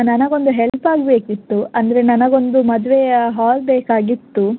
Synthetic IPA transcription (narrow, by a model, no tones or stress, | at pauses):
nɐnɐɡo̞nd̪uɦelpaːɡbeːkit̪ːuɐnd̪ɐɾenɐnɐɡo̞nd̪umɐd̪ʋeɦaːlbeːkaːɡit̪ːu